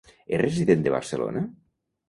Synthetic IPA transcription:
ereziðend̪əβa̰ɾsəlo̰na

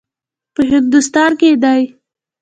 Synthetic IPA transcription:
pəɦɪk̚d̪ʊst̪ɑɾked̪aj

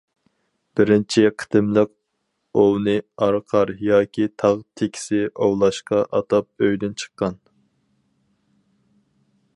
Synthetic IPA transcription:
b̥ɪɾɪnt͡ʃʰɪqʰə̥t̪ɪmlɪk̚ | ownɨɑɾqʰɑɾjɑːkʲʰit̪ʰɑʁt̪ʰekʲʰi̥sɪʔowlˠɑʃqɑʔɑt̪ɑp̚øjd̪ɪnt͡ʃʰə̥qːɑn

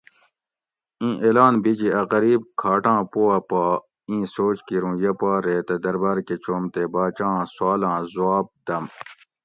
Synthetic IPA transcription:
ĩːʔelaːnbid͡ʑiɐɣɐɾiːb̚kʰaːʈãːpoːɐpaː | ĩːsoːt͡ʃkiɾũːjɐpaːɾet̪ed̪ɐɾbaːɾket͡ɕoːmt̪ebaːt͡ɕãːswaːlãːzuaːb̚d̪ɐm

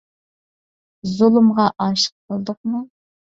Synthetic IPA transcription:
zulˠɨmʁɑʔɑʃə̥q̚bʰəlˠd̪ʊq̚mu

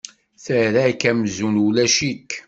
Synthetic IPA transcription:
θəɾækæmzunulæʃikː

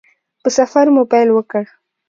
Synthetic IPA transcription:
pəsafaɾmʊpajlwəkəɽ

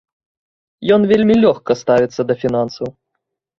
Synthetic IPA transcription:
jɔnvʲelʲmʲilʲɔxkɐst̪avʲit̪sːɐd̪ɐfʲinansɐw

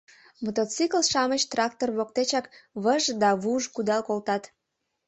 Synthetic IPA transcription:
mət̪ot͡sikəlʃɑmət͡ɕt̪rɑk̚t̪orβok̚t̪et͡ɕɑkβəʒd̪ɑβuʒkud̪ɑlkolt̪ɑt̪

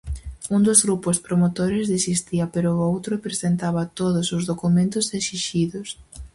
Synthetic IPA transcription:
und̪ozɣɾupʊspɾomot̪oɾɪzðisist̪iɐpeɾʊowt̪ɾʊpɾesent̪aβɐt̪oðʊsʊzðokumẽnt̪ʊsesiʃiðʊs

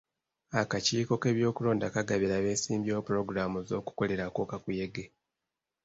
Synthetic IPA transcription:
akaciːko̞ke̞βjo̞ːkulo̞ːndakaɡaβeɾaβe̞ːsiːmbjo̞ːpuɾo̞ɡuɾamuzo̞ːku̥ko̞le̞ɾakoːkakuje̞ɡe

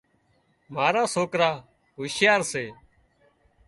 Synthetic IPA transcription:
maːɾaːsoːkɾaː | ɦʊːʃjaːɾseː

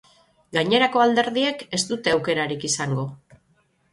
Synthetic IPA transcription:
ɡaɲe̞ɾako̞ald̪e̞ɾðie̞ke̞st̪ut̪e̞awke̞ɾaɾikisaŋɡo̞

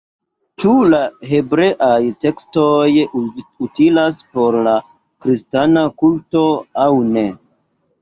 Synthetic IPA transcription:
t͡ʃulaɦe̞bɾe̞ʔajte̞kstojutilaspo̞ɾla | kɾistanakulto̞awne̞

